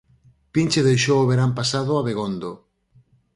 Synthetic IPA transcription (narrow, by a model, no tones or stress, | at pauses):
pint͡ʃeðejʃowːβ̞eɾampasaðoaβeɣ̞ond̪o